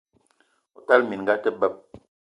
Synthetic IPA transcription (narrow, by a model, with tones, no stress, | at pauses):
ɔ˨ta˦lmi˨nŋ˨ɡa˦tə˦bə˦˨p̚